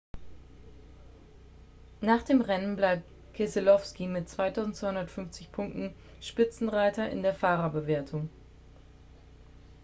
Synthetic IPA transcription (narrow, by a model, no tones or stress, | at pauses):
naːχd̥eːmʁɛnənblaɪp̚t | kʰesɪlɔfskimɪt̚t͡sv̥aɪtʰaʊzn̩tt͡sv̥aɪhʊndɐtfʏnft͡sɪçpʰʊŋk̚tn̩ | ʃpɪt͡sn̩ʁaɪtɐʔɪ̰ndeːɐfaːʁɐbəveːɐtʰʊŋ